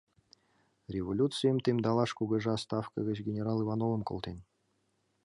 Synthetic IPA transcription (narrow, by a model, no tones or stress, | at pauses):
rʲevolʲut̪t͡sɨjəmt̪ʲemʲd̪ɑlˠɑʂkuɡə̆ʐəast̪ɑfkəɣʲə̆t͡ɕɡʲenʲeɾɑlˠivɑnovə̆mko̰lˠt̪en